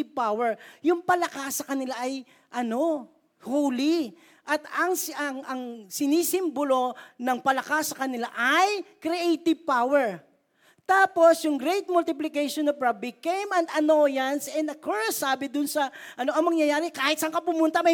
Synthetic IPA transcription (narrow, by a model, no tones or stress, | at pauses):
ɪpawɛɹjʊŋpɐlɐkasːɐkɐnɪlaʔɐj | ʔɐno̞ | howli | ʔɐt̪ɐŋsɐŋʔɐŋsɪniːsɪmbolo̞nɐŋpɐlɐkasːɐkɐnɪlaʔɐjkɾiʔejt̪ɪv̚pawɛɹ | t̪aːpo̞sjʊŋɡɾejt̪̚mʊlt̪ɪplɪkejʃonɐvɹɐbɪkejmɐ̃nd̪ɐnojɐnsɛnɐkɔɹsaːbɪd̪ʊnsɐʔɐno̞ʔɐŋmɐŋjɐjaːɾɪkaːhɪt̪̚sɐŋkɐpʊmʊnt̪ɐmɐ